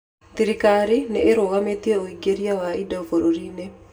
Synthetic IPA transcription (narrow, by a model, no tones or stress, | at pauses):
ðiɾikaɾineːɾoɣametiɛoiɡeɾiawaidaofoɾoɾiːne